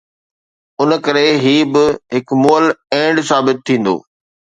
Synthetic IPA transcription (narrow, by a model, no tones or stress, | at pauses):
ʊnkɐɾeɦiːbɪɦɪkmoːəlẽːɳɖsaːbɪt̪̚ʰːĩːn̆d̪o̰ː